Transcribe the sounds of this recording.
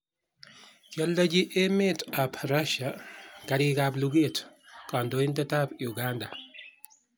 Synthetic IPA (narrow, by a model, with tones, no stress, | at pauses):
t͡ʃa˦lːa˦d͡ʒi˦ʔe˦me˦ta˨pʰɾaʃakaɾɪkabluɡe˦tkɔ˨ndoi˦nda˦tapjuɡanda˨